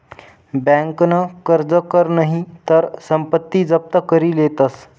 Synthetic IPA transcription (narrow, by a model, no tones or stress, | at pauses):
bæ̃ŋknəkəɾd͡zəkəɾnaɦit̪əɾsəmpət̪ːiːd͡zəp̚t̪əkəɾiːlet̪əs